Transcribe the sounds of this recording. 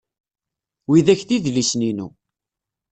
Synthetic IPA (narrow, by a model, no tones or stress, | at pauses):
wiðæçθiðlisninṵ